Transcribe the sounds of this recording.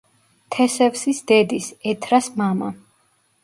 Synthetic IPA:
t̪ʰɛsɛvsisd̪ɛd̪isɛt̪ʰɾasmama̰

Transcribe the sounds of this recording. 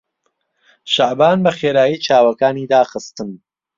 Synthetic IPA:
ʃaʕbaːnbɐχeːɾaːjiːt͡ʃʰaːwɐkaːniːd̪aːχɨst̪ɨn

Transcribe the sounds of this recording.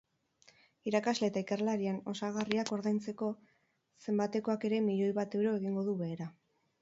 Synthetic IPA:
iɾakazle̞ːt̪aikerlaɾieno̞saɣ̞ariako̞ɾðajnt͡se̞ko̞ | se̞mbat̪e̞ko̞ake̞ɾe̞miʎo̞jβat̪e̞wɾo̞e̞ɣiŋɡo̞ðuβe̞ːɾa

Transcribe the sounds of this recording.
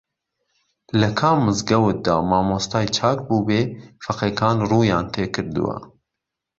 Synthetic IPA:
lɨkʰaːmːɨzɡɛwɨt̪̚d̪ɑːmɑːmoːst̪ɑːjt͡ʃʰɑːkbuːbeːfɐqɛkʰɑːnruːjɑːnt̪ʰeːkʰɨɾd̪ɨ̰wɛ̰

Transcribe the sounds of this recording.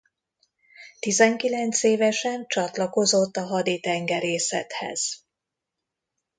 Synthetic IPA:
t̪izɛŋkilɛnt̪seːvɛʃɛnt͡ʃɒt̪lɒko̞zo̞t̪ːɒɦɒd̪it̪ɛŋɡɛɾeːsɛ̰t̪hɛ̰z̥

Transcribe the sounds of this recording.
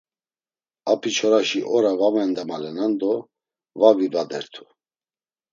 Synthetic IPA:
apʰit͡ʃʰɔɾaʃiʔɔɾavamɛnd̪ɛmalɛnand̪ɔ | vavivad̪ɛɾt̪ʰu̥

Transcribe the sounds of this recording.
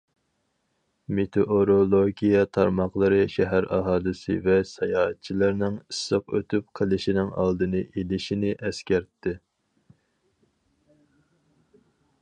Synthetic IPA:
met̪ʰoʔoɾolˠoɡʲijɛt̪ʰɑɾmɑχlˠəɾɨʃɛɦæɾɑɦɑːlˠɨsɪ̰vɛsɑjɑːɦɛt̪̚t͡ʃʰilˠɨɾnɪŋɨsːəqø̰t̪ʰyp̚qʰəlˠɪʃinɪŋɑ̰lˠd̪ɨnɨʔelɪʃinɪʔɛskʲæɾt̪ʰːɪ

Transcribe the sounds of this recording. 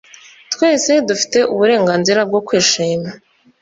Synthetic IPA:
twe̞ːse̞dufi̥te̞ʔuβuɾe̞ːŋɡaːnziɾab̚ɡo̞kwiːʃiːma

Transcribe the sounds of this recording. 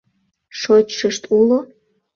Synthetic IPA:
ʃot͡ɕʃəʃt̪ulo

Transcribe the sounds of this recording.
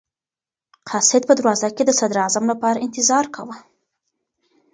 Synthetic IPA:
qʰɑsɪd̪̚pəd̪ɾwɑzaked̪əsad̪ɾɑzamlapɑɾaɪnt̪ɪzɑɾkʰawə

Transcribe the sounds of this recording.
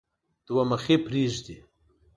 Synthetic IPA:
d̪̥waməxepɾiʒd̪i

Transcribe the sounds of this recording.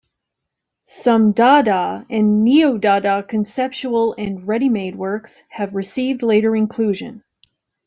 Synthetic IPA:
sʌ̃mdɑɾəɨ̃nːioʊdɑɾəkʰɨ̃nsɛp̚t͡ʃul̩ˠɨ̃nɹɛɾimeɪd̚wɜ˞kshɨvɹɨsivdˡleɪɾə˞ɨ̃nkʰl̥ʉʒɨ̰̃n

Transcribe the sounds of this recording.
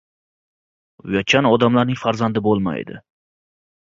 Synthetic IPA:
jɒt͡ʃʰanɒd̪amlaɾnɪŋfaɾzand̪ɪbolˠma̰jd̪ɪ̰

